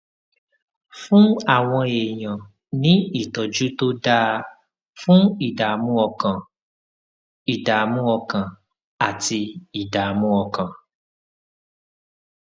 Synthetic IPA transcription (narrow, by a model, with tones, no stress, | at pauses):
fũ˦a˦˨w̃ɔ̃˧e˨j̃ã˨ | nĩ˦i˦˨tɔ˨d͡ʒu˨˦to˦da˧ | fũ˦i˦˨da˨mũ˦ɔ˧kã˨ | i˨da˨mũ˦ɔ˧kã˨ | a˨ti˧i˨da˨mũ˦ɔ˧kã˨